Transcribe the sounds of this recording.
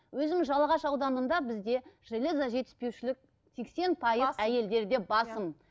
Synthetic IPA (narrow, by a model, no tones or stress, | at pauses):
wɵzɪmʒɑlˠɑʁɑʃɑwd̪ɑnənd̪ɑbɪzd̪e̞ʒ̥elezaʒe̞t̪ɪ̥spe̞wʃɪlɪk̚ | t̪ʰekse̞npʰɑjəzæje̞ld̪e̞ɾd̪e̞bɑsəm